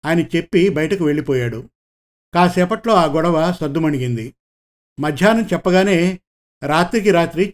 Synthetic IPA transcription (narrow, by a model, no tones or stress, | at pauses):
aːjɐnɐt͡ʃe̞pːibɐjɐʈɐkuʋe̞ɭːipɔːjaːɽu | kaːsɛːpɐʈlo̞ːaːɡɔɽɐʋɐsɐd̪ːumɐɳiɡind̪i | mɐd̪ʱjaːnɐmt͡ʃɛpːɐɡaːne̞ː | ɾaːt̪ɾik̬iɾaːt̪ɾi